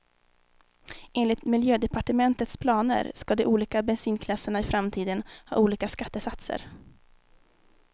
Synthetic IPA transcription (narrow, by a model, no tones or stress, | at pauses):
ʔeːnlɪt̪mɪljøːd̪ɛpaʈəmɛnt̪ət̪spʰlɑːnə̰ɾskad̪ɛʔuːliːkabɛnsiːnkʰlasːəɳaɪfɾamt̪ʰiːd̪ənhɑ̰ːuːliːkaskat̪ːəsat̪sə̰ɾ